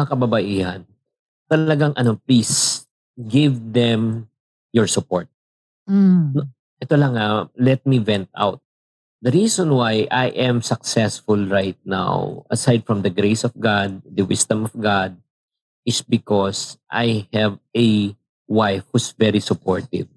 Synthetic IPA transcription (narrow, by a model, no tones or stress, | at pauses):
ɐkɐbɐbɐʔiːhɐn | t̪ɐlɐɡaŋʔɐnoplis | ɡɪvd̪ɛm | jɔɹsʊpoɹt̪̩̚ | n | ʔɛt̪olɐŋalɛt̪̚mivɛ̃nt̪ʔa̰wt̪̚ | d̪ɐɾisɔ̃nwajʔajʔɛ̃msɐk̚sɛsfʊlɹajt̪̚na̰wʔɐsajd̪̚fɹɔmd̪ɐɡɾejsɔvɡad̪̚d̪ɐwɪsd̪ɐ̃mɔvɡad̪̚ | ɪsbɪkosʔa̰jhɛvɛ | wajfhusvɛɾisʊpoɹt̪ɪ̰v